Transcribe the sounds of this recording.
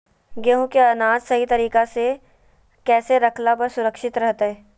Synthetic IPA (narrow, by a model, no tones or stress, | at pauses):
ɡeɦũkeɐnaːd͡ʒsɐɦit̪ɐɾiːkase | kɛːseɾɐkʰlapɐɾsʊɾəkʃɪt̪ɾɐɦt̪aɦɛː